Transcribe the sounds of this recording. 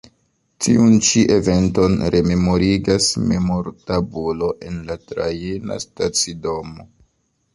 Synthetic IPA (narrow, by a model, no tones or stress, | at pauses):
tiunt͡ʃiʔe̞ve̞nto̞nɾe̞me̞mo̞ɾiɡasme̞moɾtabulo̞ʔe̞nlatɾajena̰stat͡sido̞mo